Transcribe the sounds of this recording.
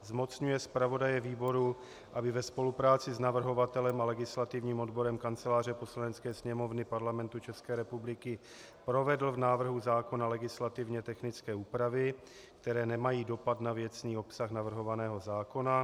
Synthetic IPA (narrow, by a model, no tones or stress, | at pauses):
zmo̞t͡sɲujɛspɾavo̞dajɛviːbo̞ɾu | ʔabɪvɛspo̞lupɾaːt͡sɪznavr̩ɦo̞vat̪ɛlɛmalɛɡɪslat̪ɪvɲiːmo̞dbo̞ɾɛmkant͡sɛlaːr̝ɛpo̞slanɛt͡skɛːsɲɛmo̞vnɪpaɾlamɛnt̪ut͡ʃɛskɛːɾɛpublɪkɪ | pɾo̞vɛdl̩vnaːvr̩ɦuzaːko̞nalɛɡɪslat̪ɪvɲɛt̪ɛxnɪt͡skɛːuːpɾavɪ | kt̪ɛɾɛːnɛmajiːdo̞pat̪navjɛt͡sniːo̞psaxnavr̩ɦo̞vanɛːɦo̞zaːko̞na